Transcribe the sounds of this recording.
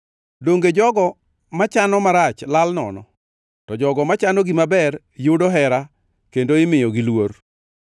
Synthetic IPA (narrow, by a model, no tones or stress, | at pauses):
doŋɡed͡ʒɔɡɔ | mat͡ʃanɔmaɾat͡ʃlalnɔ̰nɔ̰ | tɔd͡ʒɔɡɔmat͡ʃanɔɡimabɛr | jʊdoɦɛɾa | kendoɪmɪjɔɡilwor